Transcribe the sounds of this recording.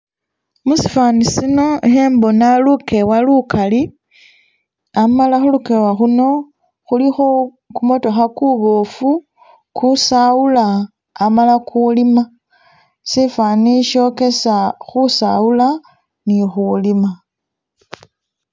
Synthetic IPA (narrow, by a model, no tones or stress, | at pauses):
musi̥fanisino̞exembo̞naluke̞walukʰali | amalaxuluke̞waxuno̞ | xulixo | kumoto̞xakuβofu | kusaulaː | malakʰulima | sifaniʃo̞ke̞saxusa̰ula | nixulima